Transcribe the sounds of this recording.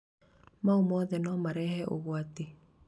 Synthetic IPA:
maomɔðɛnɔmaɾɛhɛʔoɣwat̪e

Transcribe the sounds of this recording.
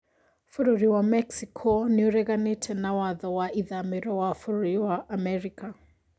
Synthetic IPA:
fuɾuɾiwamɛksikʰɔnuɾɛɣanitʰɛnawaðɔwaʔiðamɛɾɔwafuɾuɾiwaʔamɛɾika

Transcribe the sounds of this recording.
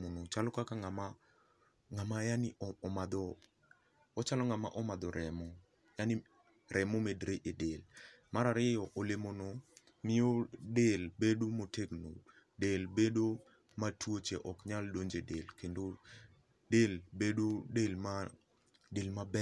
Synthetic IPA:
onot͡ʃalɔkakaŋama | ŋamajanɪːmad̪ɔ | ɔt͡ʃalɔŋamaʔɔmad̪ɔɾʔɛmɔ | janɪ | ɾʔɛmomedɾeʔɪdelmaɾaɾɪjɔʔolemono | mɪodelbedomoteɡno̰ | delbedo | matwot͡ʃeʔɔkɲaldoɲd͡ʒedelkendo | delbedodelma | delmabɛ

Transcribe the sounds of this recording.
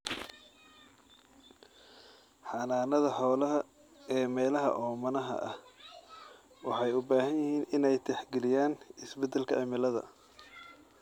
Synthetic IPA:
ħɑːnaːnɐðɐħɔːlɐɦɐ | ɛːmɛːlɐɦɐ̰ʔɔːmɐnɐɦɐ̰ʔɐh | wɑħɑjʊbaːɦɐnjɪhiːnɪnɛjt̪ʰɛħɡɛlɪjaːnɪsbɛd̪ːɛlkʰɐʕɪmɪlɐðɐ̰

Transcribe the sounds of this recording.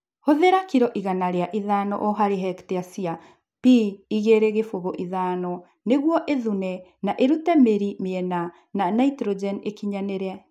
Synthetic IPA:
hoðeɾakiɾɔʔiɣanaɾeaʔiðanɔ̰ʔɔɦaɾeɦɛkteasia | piːɣeɾeɣefoɣoʔiðaːnɔ | neɣwɔʔeðunɛnaʔeɾutɛmeɾimeɛna | nanaitɾɔd͡ʒɛnekiɲaneɾea

